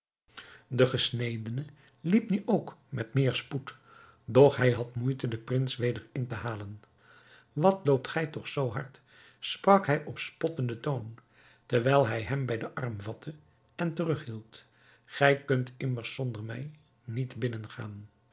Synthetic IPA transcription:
dəχəsnejdənə | lipnyʔowkmɛtmɪːɹsput | dɔχɦɛjɦɑtmujtədəprɪnsʋejdəɹɪntəɦaːlən | ʋɑtlowp̚tχɛjtɔχsowɦɑɹt | sprɑkɦɛjʔɔpspɔtəndətown | tɛɹʋɛjlˠɦɛjɦɛmbɛjdəʔɑrmvɑtʰə | ɛntərɵχɦilˠt | χɛjkɵntɪməɹsːɔndəɹmɛj | nitbɪnənχa̰ːn

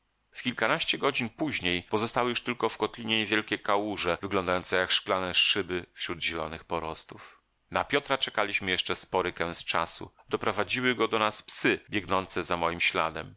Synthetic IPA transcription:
fkʲilkanaɕt͡ɕɛɡɔd͡ʑinpuʑɲejpɔzɔst̪awɘjuʂt̪ɘlkɔfkɔt̪lʲiɲeɲevʲjɛlkʲɛkawuʐɛvɘɡlɔnd̪ajɔnt̪sɛjakʂklanɛʂɘbɘfɕɾud̪ʑɛlɔnɘxpɔɾɔst̪uf | napʲjɔt̪ɾat͡ʂɛkalʲiɕmɘjɛʂt͡ʂɛspɔɾɘkɛw̃st͡ʂa̰sṵ | d̪̥ɔpɾɔvad͡ʑiwɘɡɔd̪ɔnaspsɘbʲjɛɡnɔnt̪sɛzamɔjimɕla̰d̪ɛ̰m

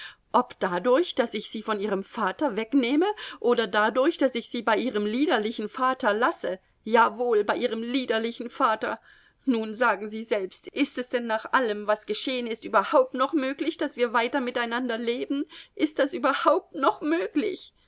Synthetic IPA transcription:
ʔɔpd̥adʊɐçd̥asɪçz̥iːfɔnʔiːʁəmfaːtɐvɛkneːməʔoːdɐdadʊɐçd̥asɪçz̥iːbaɪʔiːʁ̞əmliːdɐlɪçn̩faːtɐlasə | jaːvoːlbaɪʔiːʁ̞əmliːdɐlɪçn̩faːtɐ | nuːnzaːɡŋ̩ziːzɛlpstʔɪstɛsd̥ɛnːaːχʔaləmvasɡ̥əʃeːənɪstʔyːbɐhaʊp̚tnɔχmøːklɪçd̥asv̥iːɐvaɪtɐmɪtaɪnandɐleːbn̩ʔɪst̚d̥asʔyːbɐhaʊp̚tnɔχmøːklɪ̰ç

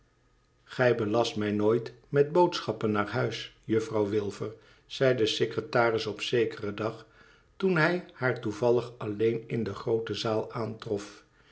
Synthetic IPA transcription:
χɛjbəlɑstmɛjnoːjtmɛd̚bowtsχɑpənːaːɹɦœɥsjɵfrɑwʋɪlˠvəɹ | z̥ɛjdəsekrətaːrɪsɔpsejkərədɑχ | tunɦɛjhaːɹtuvɑlˠəχɑlejnɪndəχrowtəzaːlˠaːntrɔf

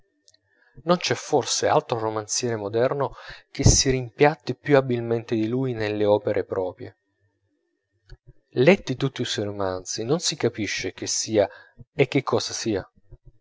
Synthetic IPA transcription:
nont͡ʃɛfːorsea̰lt̪ɾoromant̪sjɛːɾemod̪ɛrnok̟esiɾimpjat̪ːipjuabilment̪ɪd̪iluːjnelːeɔːpeɾʔepɾʔɔːpɾjḛ | lɛt̪ːit̪ut̪ːiswɔjɾomant̪sinonsikapiʃːek̟ɪsːiːaek̟ːɪkʰːɔːsasiːa

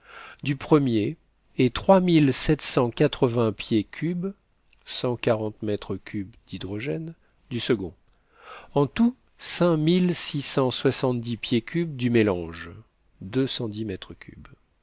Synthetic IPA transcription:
d̪ypχəmjeː | t̪χwamilsɛt̪sɑ̃kat̪χəvɛ̃pjekʲʰyb | sɑ̃kaʁɑ̃t̪mɛt̪χəkʲybd̪̥id̪ʁɔʒɛn | d̪ysəɡɔ̃ | ɑ̃t̪u | sɛ̃milsisɑ̃swasɑ̃t̪̚d̪ipjekʲʰybd̪ymelɑ̃ʒ | d̪øsɑ̃d̪imɛt̪χəkʲʰy̰b

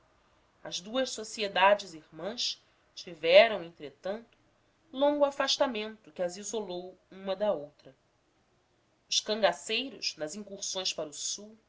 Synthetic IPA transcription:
ɐzd̪uɐʃsosied̪ad͡ʒɪzihmɐ̃ʃ | t͡ʃivɛɾɐ̃w̃ẽnt̪ɾet̪ɐ̃nt̪ʊ̥ | lõŋɡʊafaʃt̪amẽnt̪ʊkɪɐzizolowũmɐd̪ɐowt̪ɾɐ | ʊʃkɐ̃ŋɡasejɾʊ̰ʃnɐzĩŋkuχsõj̃spaɾʊsuw

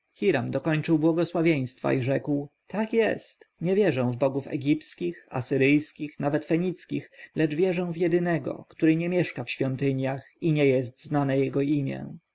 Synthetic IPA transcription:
xʲiɾamd̪ɔkɔɲt͡ʂɘwbwɔɡɔswavʲjej̃st̪fa̰iʐɛkwt̪akjɛ̰st̪ɲɛvʲjɛʐɛ̃w̃vbɔɡufɛ̰ɡʲipskʲixa̰sɘɾɘjskʲixnavɛt̪fɛɲit̪skʲixlɛd͡ʐvʲjɛʐɛ̃w̃vjɛd̪ɘnɛɡɔ̰kt̪uɾɘɲɛmʲjɛʂkafɕfʲjɔnt̪ɘɲjax | iɲɛjɛst̪znanɛjɛɡɔimʲjɛ̰̃

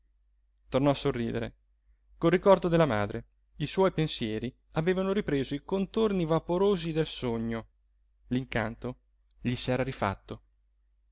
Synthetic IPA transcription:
t̪ornɔasːorːiːd̪eɾḛ | kolrikɔrd̪od̪elːamaːd̪ɾe | iswɔjpensjɛːɾi | aveːvanoɾipɾeːzoikont̪ornivapoɾoːzid̪elsoɲːo | liŋkant̪o | ʎisɛːɾaɾifa̰t̪ːo

